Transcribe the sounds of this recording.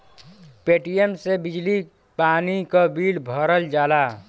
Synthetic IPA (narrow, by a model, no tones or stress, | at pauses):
peʈijemsebid͡ʒli | panikabilbʱɔɾəld͡ʒaːla